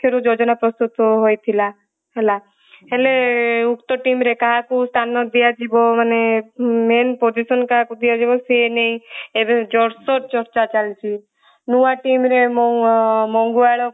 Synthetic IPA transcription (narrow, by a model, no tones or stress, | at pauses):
koɾud͡ʒod͡ʒɔnapɾɔst̪ut̪ɔɦojt̪ʰila | ɦela | ɦeleukt̪ɔʈimɾekaɦakust̪ʰanɔd̪ijad͡ʒibɔmanemenpod͡ʒisɔnkaɦakud̪ijad͡ʒibɔseneĩebed͡ʒɔɽsɔɾt͡ʃɔɾt͡ʃat͡ʃalt͡ʃʰi | nuaʈimɾem | mɔŋɡuaɭɔ